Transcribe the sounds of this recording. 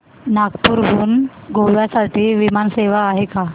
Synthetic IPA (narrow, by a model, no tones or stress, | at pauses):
naɡpuɾbuːn | ɡʱoʋjasaʈiːʋimanseʋaːɦeka